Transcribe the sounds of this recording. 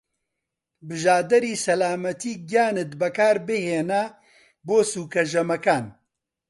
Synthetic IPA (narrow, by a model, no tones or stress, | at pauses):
bɨʒaːd̪ɐɾiːsɐlaːmɐt̪iːɡjaːnɨt̪bɐkaːɾbɨheːna | boːsuːkɐʒɐmɐkaːn